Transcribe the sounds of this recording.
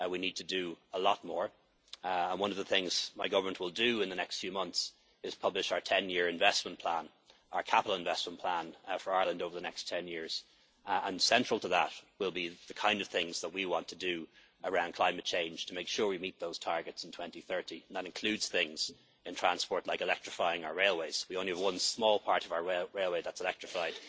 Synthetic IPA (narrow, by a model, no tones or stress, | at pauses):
winid̚tʰɨdəəlɔt̚mɔɹ | ə̃nwʌ̃nʌvðəθɪ̃ŋz̥maɪɡʌvə˞mə̃nʔwɪlˠdɨɪ̃nðənɛkstfjʉmʌ̃nθs | ɪz̥pʰʌblɪʃaʊə˞tʰɛ̃njɪɹɨ̃ɱvɛsmə̃npʰl̥ãn | aʊə˞kʰapəɾˡl̩ˠɪ̃ɱvɛsmə̃npʰl̥ãnfə˞aɪə˞lˠə̃ndoʊvə˞ðənɛkstʰɛ̃njɪɹz̥ | ə̃nsɛ̃nt͡ʃɹ̥əl̩ˠtʰəðət̚wɪlˠbiðəkʰãɪ̃ndʌv̥θɪ̃ŋzðət̚wiwɑ̃ntʰədɨ | ə˞ãʊ̃nkʰl̥ãɪ̃mɨt̚t͡ʃʰẽɪ̃nʒ̥tʰəmeɪkʃʊːɹwimit̪̚ðoʊz̥tʰɑɹɡɨtsn̩tʰw̥ɛ̃ntiθɜ˞ɾiə̃n̩ðəɾɨ̃nkʰl̥ʉdz̥θɪ̃ŋz̥ | ɪ̃ntʰɹ̥ãnspɔɹtˡlaɪkɪlɛk̚tɹ̥ɪfaɪɪ̃ŋaʊə˞ɹeɪlˠweɪz̥wiõʊ̃nliəvwʌ̃nsmɔːlˠpʰɑɹɾʌvaʊə˞ɹeɪlˠweɪðətsəlɛk̚tɹ̥ɨfaɪd̥